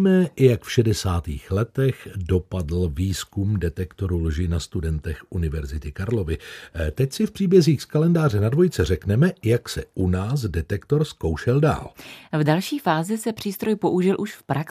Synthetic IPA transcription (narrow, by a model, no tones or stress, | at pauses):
mɛjakfʃɛdɛsaːt̪iːxlɛt̪ɛxdo̞padl̩viːskumdɛt̪ɛkt̪o̞ɾulʒɪnast̪udɛnt̪ɛxʔunɪvɛɾzɪt̪ɪkaɾlo̞vɪt̪ɛcsɪfpr̝̥iːbjɛziːxskalɛndaːr̝ɛnadvo̞jɪt͡sɛrɛknɛmɛjaksɛʔunaːs̬dɛt̪ɛkt̪o̞ɾskowʃɛlda̰ːlvdalʃiːfaːzɪsɛpr̝̥iːst̪ɾo̞jpo̞ʔuʒɪlʔuʃfpɾak